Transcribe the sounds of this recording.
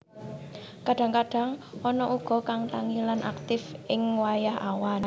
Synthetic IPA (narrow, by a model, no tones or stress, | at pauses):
kaɖ̥ä̤ŋkaɖ̥a̤ŋ | ɔnɔʔuɡ̥ɔ̤kaŋraŋilanʔa̰k̚t̪ɪfʔɪŋwajaɦa̰wan